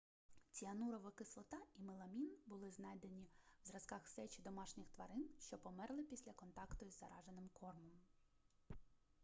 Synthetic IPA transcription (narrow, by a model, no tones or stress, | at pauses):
t͡sʲiɐnuɾɔʋɪkɪslˠɔt̪ɑimɪlˠɐmʲinbʊlˠɪznɑjd̪enʲiwzɾɐskɑxsɛt͡ʃid̪ɔmɑʃnʲɪxt̪ʋɐɾɪnʃt͡ʃɔpɔmɛrlˠɪpʲisʲlʲɐkɔnt̪ɑkt̪ʊjzːɐ̰ɾɑʒenɪmkʰɔrmɔm